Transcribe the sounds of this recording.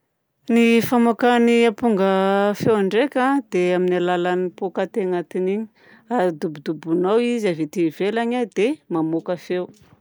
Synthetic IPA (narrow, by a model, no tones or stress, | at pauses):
nifamakaniapuŋɡəfewaɳɖ͡ʐekʲãd̪eaminalalanipokat̪eŋat̪iniɲi̥ | ad̪ubud̪ubunawizavit̪ivelaɲad̪emamokafew